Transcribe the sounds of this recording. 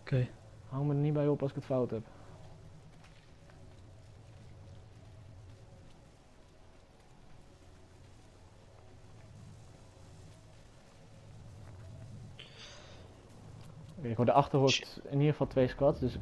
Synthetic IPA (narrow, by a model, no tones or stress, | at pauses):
ke | hɑŋmədənibɛjɔpɑlˠsɪkətfawtɦɛp | ɪkɦodəʔɑχtərɦoɹtɪniəχəfɑlˠtʋejskʋɑtsdɵs